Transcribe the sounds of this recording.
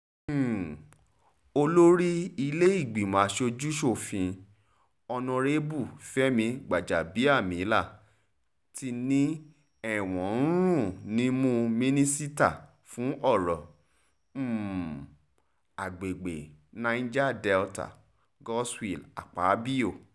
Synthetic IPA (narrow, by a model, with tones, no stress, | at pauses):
o˧lo˦ɾi˦i˧le˦i˦˨ɡ͡bi˨mã˨˦ʃo˧d͡ʒu˦ʃo˦˨fĩ˧ | ɔ˧nɔ̃˧ɾe˦bu˦˨fɛ˦mĩ˧ɡ͡ba˨d͡ʒa˨bi˨˦a˦˨mĩ˨˦la˦˨ | ti˧˦nĩ˦ | ɛ˦˨w̃ɔ̃˨˦ɾũ˦˨nĩ˦mũ˦mĩ˦nĩ˦si˦ta̰˦˨ | fũ˨˦ʔɔ˦˨ɾɔ˨˦˨ | a˨ɡ͡be˨ɡ͡be˨nã˧ĩ˦d͡ʒa˦˨dɛ˧lta̰˨ | ɡɔ˦swi˦˨la̰˨k͡pa˨˦bi˦o˦˨